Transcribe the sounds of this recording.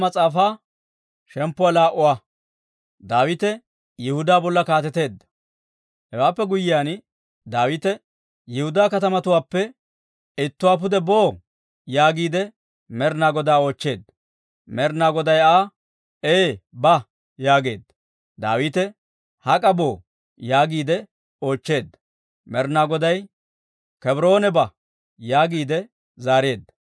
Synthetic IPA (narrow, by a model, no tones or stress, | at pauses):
mɐt͡sʼaːfaː | ʃɛmpːʊwaːlaːʔʊwaː | d̪aːwɪt̪ɛ | jɪhʊd̪aːbɔlːɐkaːt̪ɛt̪e̞ːd̪ːɐ̥ | hɛwaːpːɛɡʊjːɪjaːn | d̪aːwit̪ɛ | jɪhʊd̪aːkɐt̪ɐmɐt̪ʊwaːpːɛ | ɪt̪ːʊwaːp̬ʊd̪ɛboː | jaːɡiːd̪ɛ | mɛɾnaːɡɔd̪aːo̞ːt͡ʃːe̞ːd̪ːɐ | mɛɾnaːɡɔd̪ɐjaː | eːbɐ | jaːɡe̞ːd̪ɐ | d̪a̰ːwiːt̪ɛ | hɐkʼɐbo̞ː | jaːɡiːd̪ɛ | o̞ːt͡ʃːe̞ːd̪ːɐ̥ | mɛɾnaːɡɔd̪ɐj | kɛbɾo̞ːnɛbɐ | jaːɡiːd̪ɛ | zaːɾe̞ːd̪ːɐ̥